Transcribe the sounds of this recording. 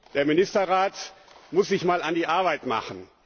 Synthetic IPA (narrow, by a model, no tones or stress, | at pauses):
d̥eːɐmɪnɪstɐʁaːtmʊsz̥ɪçmaːlandiːʔaɐbaɪtma̰χn̩